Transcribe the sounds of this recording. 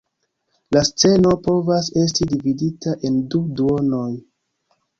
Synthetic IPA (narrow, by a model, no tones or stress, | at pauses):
last͡se̞no̞po̞vase̞s̬tidividitaʔe̞nduduo̞no̞j